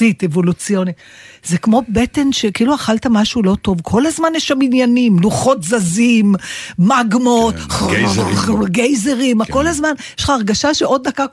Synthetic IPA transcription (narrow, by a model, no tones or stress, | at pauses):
it̪e̞vo̞lut͡sijo̞nit | zekmo̞be̞t̪e̞nʃekiiːluaχalt̪amaʃulo̞t̪o̞vkʰo̞lazmanjeʃaminjanimluχo̞t̪zazimːaɡmot | ɡejzeʁimako̞lazmanjeʃχaːʁɡaʃaʃeʔo̞d̪̚ːaka